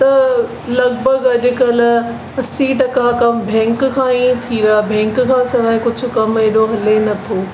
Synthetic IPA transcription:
t̪ɐ | lɐɣbʱəɡɐʄʊkɐl | ɐsiʈɐkakɐmbʱɛ̃ːŋkkʰãːĩːt̪ʰiːɾaːbʱɛ̃ːŋkkʰãːsɐʋaːɪ̃kʊd͡ʑʱʊ̆kɐmeɗoɦɐlenɐt̪ʰoː

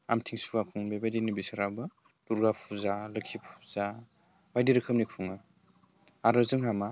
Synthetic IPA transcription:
a̰mtʰiŋsuakʰuŋbebajdinibisaɾabɯ | d̥uɾɡapʰuzalɯkʰipʰu̥za | bajdiɾɯkʰɯmnikʰuŋɯ | aɾɯzɯŋɦama

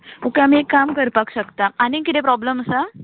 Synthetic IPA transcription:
ukeamiekːamkəɾpakɕəkt̪aːnikit̪epɾɔbləməsa

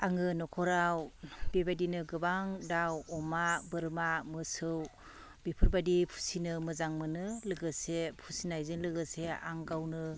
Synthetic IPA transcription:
aŋɯnɔkʰɔɾawbebadinɯɡɯbaŋdawɔmabɯɾmamɯsɯw | bipʰɯɾbadipʰu̥sinɯmɯzaŋmɯnɯlɯɡɯsepʰusinajzɯnlɯɡɯsea̰ŋɡawnɯ

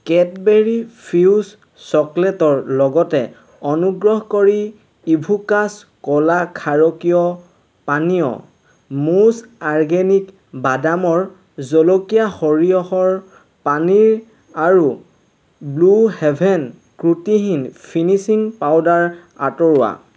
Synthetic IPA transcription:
kɛt̚beɹipʰiws | sɔklɛtɔɹlɔɡɔtɛ | ɔnuɡɹɔɦkoɹi | ibʱukas | kɔlakʰaɹɔkijɔ | paniɔ̰ | musaɹɡenik | badamɔɹ | zɔlokijahɔɹijɔxɔɹ | paniɹ | aɹu | bluhɛbʱɛn | kɹutiɦinpʰinisiŋpawdaɹ | a̰tɔɹʊwa̰

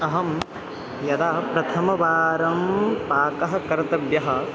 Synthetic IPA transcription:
ɐɦɐm | jɐd̪aːpɾɐt̪ʰɐmɐʋaːɾɐmpaːkɐɦɐ̆kɐɾɐt̪ɐbjɐɦɐ̆

